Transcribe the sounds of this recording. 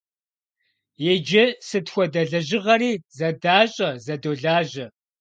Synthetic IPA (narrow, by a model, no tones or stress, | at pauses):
jed͡ʒɪsɨtxʷɔdɐɮɐʑɪʁɐɾiːzɐdaːɕʼɐzɐdoːɮaːʑɐ